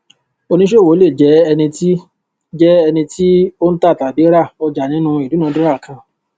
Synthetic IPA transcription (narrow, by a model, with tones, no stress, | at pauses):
o˧nĩ˧˦ʃe˦˨wo˨˦le˦˨d͡ʒɛ˨˦ɛ˧nĩ˧ti˦ | d͡ʒɛ˦ɛ˧nĩ˧tʰi˦o˦n̩˦ta˦˨ta˨bi˨˦ɾa˦˨ɔ˧d͡ʒa˨nĩ˨˦nũ˦i˨du˨˦ũ˨˦dĩ˦ɾa˦˨kʰã˧